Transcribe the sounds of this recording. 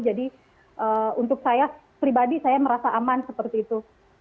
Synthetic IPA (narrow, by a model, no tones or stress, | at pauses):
d͡ʒadi | ʔəunt̪̬ʊk̚saja | pɾibadisajaməɾasaʔamansəpərt̪iːt̪u